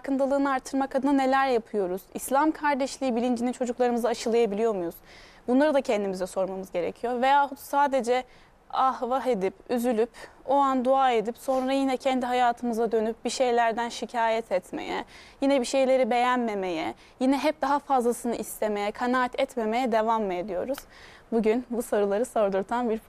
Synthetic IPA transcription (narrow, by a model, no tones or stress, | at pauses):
kʰɯnt̪ʰalˠɯːnɯaɾt̪ʰːɯɾmakʰad̪ɯnɯne̞lʲæɾjapʰɯjo̞ɾuz̥islʲamkʰaɾd̪ɛʃlʲiːbilʲind͡ʒinint͡ʃʰo̞d͡ʒuklˠaɾɯmɯzaːʃɯlˠajabilʲijo̞mujuz̥ | bunlˠaɾɯd̪acʰɛnd̪imizɛso̞ɾmamɯzɟe̞ɾḛcʰijo̞ɾve̞jaːɦusaːd̪e̞d͡ʒɛ | ahvaɦed̪ipyzylʲypo̞and̪uaːe̞d̪ipso̞nɾajinɛcʰɛnd̪iɦajaːt̪ʰɯmɯzad̪ø̞nyp̚biʃe̞jlʲæɾd̪ænʃicʰaːjɛt̪ʰɛt̪mḛjɛ̰jinɛbiʃe̞jlʲe̞ɾibe̞jænme̞me̞jɛ | jinɛɦɛp̚d̪aɦafazlˠasɯnɯʔist̪ʰe̞me̞jɛkʰanaːt̪ʰɛt̪me̞me̞jɛd̪e̞vame̞d̪ijo̞̰ɾuz̥ | buɟynbusaɾɯlˠaɾɯsaɾd̪uɾt̪ʰanbiɾ